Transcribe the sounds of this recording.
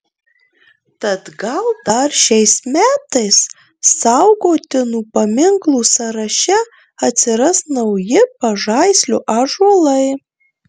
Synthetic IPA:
t̪ɐt̪ɡɐlˠd̪ɐɾʃʲɛɪsmʲæːt̪ɐɪsː | ɑʊɡoːt̪ʲɪnuːpɐmʲɪŋklˠuːsɐɾɐʃʲɛ | ɐt̪ʲsʲɪɾɐsnɐʊjɪpɐʒɐɪsʲlʲoʔaːʒɐlˠɐɪ

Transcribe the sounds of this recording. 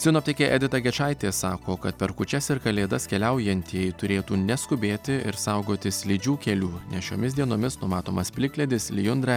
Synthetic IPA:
sʲɪnoːp̚ʲt̪ʲɛːkʲeːʔɛd̪ʲɪt̪ɐɡʲɛt͡ʃɐɪt̪ʲeːsɑːkoːkɐt̪̚pʲɛɾkʊt͡ʃʲɛsɪɾkɐlʲeːd̪ɐskʲɛlʲɛʊjɛnʲt̪ʲiɛɪt̪ʊɾʲeːt̪uːnʲɛskʊbʲeːt̪ʲɪɪ̰ɾsɐʊɡoːt̪ʲɪslʲiːd͡ʒʲuːkʲɛlʲuːnʲɛsʃʲoːmʲɪsd̪ʲiɛnoːmʲɪsnʊmɑːt̪oːmɐspʲlʲɪklʲɛd̪ʲɪslʲɪjʊnd̪ɾɐ

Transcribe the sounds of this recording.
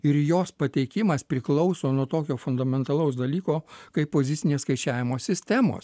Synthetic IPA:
ɪɾjoːspɐt̪ʲɛɪkʲɪmɐspʲɾʲɪklˠɒʊsoːnuɔt̪oːkʲoːfʊnd̪ɐmʲɛnt̪ɐlˠɐʊs̬d̪ɐlʲiːkoːkɐɪpppoːzʲɪt̪sʲɪnʲeːskɐɪt͡ʃʲæːʋʲɪmoːsʲɪsʲt̪ʲɛmo̰ːs

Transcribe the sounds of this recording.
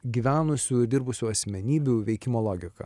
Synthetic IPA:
ɡʲiːʋʲæːnʊsʲuɪɾd̪ʲɪɾbʊsʲuːɐsʲmʲɛnʲiːbʲuʋʲɛɪkʲɪmoːlˠoːɡʲɪkɐ̰

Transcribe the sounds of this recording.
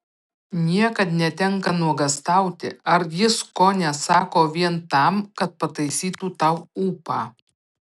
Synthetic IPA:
nʲiɛkɐt̪nʲɛt̪ʲɛŋkɐnuɔɡɐst̪ɐˑʊt̪ʲɪ̰ɐɾjɪskoːnʲɛsɑːkoːʋʲiɛnt̪ɑˑmkɐt̪̚pɐt̪ɐɪsʲiːt̪uːt̪ɐʊuːpɑː

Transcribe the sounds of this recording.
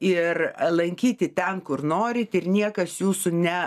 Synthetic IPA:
ɪrlˠɐŋʲkʲiːt̪ʲɪt̪ʲɛnkʊrnoːɾʲɪt̪ɪrnʲiɛkɐsjuːsʊnʲɛ

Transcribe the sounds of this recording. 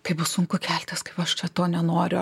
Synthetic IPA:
kɐɪbʊssʊŋkʊkʲæːlʲt̪ʲɪskɐɪpɐʃt͡ʃʲɛt̪oːnʲɛnoːɾʲʊ

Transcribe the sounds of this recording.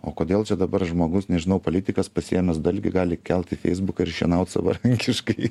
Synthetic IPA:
oːkoːd̪ʲeːlˠt͡ʃʲɛd̪ɐbɐɾʒmoːɡʊsnʲɛʒʲɪnɐʊpoːlʲɪt̪ʲɪkɐspɐsʲijɛmʲɛsd̪ɐɪlʲɡʲɪɡɑːlʲɪkʲɛlʲˠt̪ʲɪfʲɛ̰ɪzbʊkɐɪɾʃʲɛ̰nɐʊt̪sɐ̰ʋɐ̰ɾɐŋʲkʲɪʃkɐɪ

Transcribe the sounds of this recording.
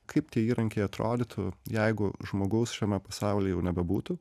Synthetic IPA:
kʰɐɪp̚t̪ʲiɛiːɾɐŋʲkʲeɪɐt̪ɾo̰ːd̪ʲɪt̪ʰʊjɛɪɡʊʒmoːɡɐʊsʃʲɛmʲɛpɐsɑˑʊlʲeːjɛʊnʲɛbʲɛbuːt̪ʊ

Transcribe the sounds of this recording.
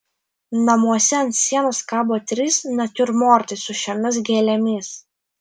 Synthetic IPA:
nɐmuɔsʲɛɐnt̪ʲsʲiɛnɐskɑːboːt̪ʲɾʲisnɐt̪ʲʊɾmoːɾt̪ɐɪsʊʃʲɛmʲɪsɡʲeːlʲɛmʲiːs

